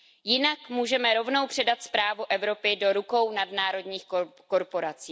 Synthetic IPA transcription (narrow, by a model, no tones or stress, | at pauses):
jɪnakmuːʒɛmɛɾo̞vno̞wpr̥ɛdat̪spɾaːvuʔɛvɾo̞pɪdo̞ɾuko̞wnadnaːɾo̞dɲiːxko | ko̞ɾpo̞ɾat͡siː